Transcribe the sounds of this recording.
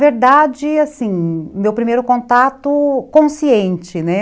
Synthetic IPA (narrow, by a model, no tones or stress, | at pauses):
veɾd̪ad͡ʒɪasĩmewpɾimejɾʊkõnt̪at̪ʊkõsiẽnt͡ʃɪnɛ